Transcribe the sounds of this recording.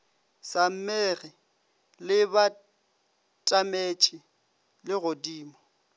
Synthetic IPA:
sam̩meɣɪ | lɪba | tʼamet͡ʃʼɪ | lɪɣodiːmɔ

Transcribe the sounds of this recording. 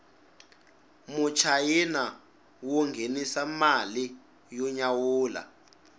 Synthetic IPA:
mut͡ʃʰajina | wɔŋɡʱenisamali | jɔɲawuːla̰

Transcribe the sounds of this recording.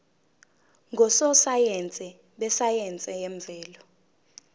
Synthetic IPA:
ŋɡʱɔsɔsajɛnt͡sʼɛ | ɓɛsajɛnt͡sʼɛjeɱb̪vɛːlɔ

